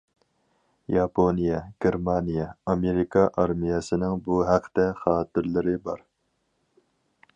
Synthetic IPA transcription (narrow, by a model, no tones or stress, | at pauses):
jɑpʰonijɛɡ̥ʲeɾmɑnijɛɑmeɾikʰɑʔɑɾmijɛsɪnɪŋbuɦæqʰːt̪ɛχɑːt̪ɪɾlɪɾɪbɑ̰ɾ